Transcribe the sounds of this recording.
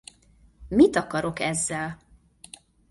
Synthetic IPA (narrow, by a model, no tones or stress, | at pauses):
mit̪ɒkɒɾo̞kɛzːɛl